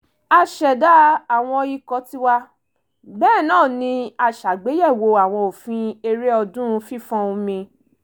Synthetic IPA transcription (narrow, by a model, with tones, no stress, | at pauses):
a˧ʃɛ˨da˨˦a˨w̃ɔ̃˧ji˦kɔ˨˦ti˦wa˦ | bɛː˦˨nãː˦˨nĩ˧˦a˧ʃa˨ɡ͡be˨˦jɛ˦˨wo˧a˨w̃ɔ̃˧o˨fĩ˧e˧ɾe˦ɔ˧dũ˦˧fi˦˨fɔ̃˧ũ˧mĩ˧